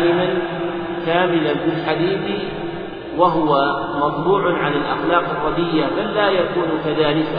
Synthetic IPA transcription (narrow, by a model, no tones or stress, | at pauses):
lɪman | kaːmɪlanbɪlħad̪iːθ | waɦʊwa | mɑt̪ˤbuːʕnʕalalʔa̰xlɑːqɑrˤːɑd̪ɪjːabalːaːjakuːnkaðaːlɪka